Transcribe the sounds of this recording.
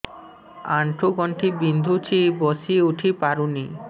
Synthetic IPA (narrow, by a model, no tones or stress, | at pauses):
aɳʈʰoɡɔɳʈʰibind̪ʱut͡ɕʰibosiuʈʰipaɾuni